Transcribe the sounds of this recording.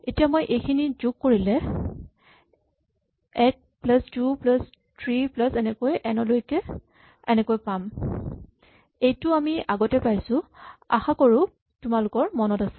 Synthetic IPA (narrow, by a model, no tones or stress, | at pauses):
etijamojʔejkʰinizuɡ̚koɹilɛ | ɛk̚plastuplas | tʰɹiplasɛnɛkojʔɛnɔlojkɛ | ɛ̰nɛkojpam | ejtʊamiaɡɔtɛpajsʊa̰xakɔɹʊ | tʊmalʊkɔɹmɔnɔtasɛ̥